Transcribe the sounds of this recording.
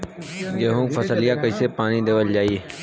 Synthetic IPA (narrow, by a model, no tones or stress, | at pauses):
d͡ʒeːɦũːfʰəsəlɪjãːkəiːseːpaːniːd̪eːʋəld͡ʒaːiːeː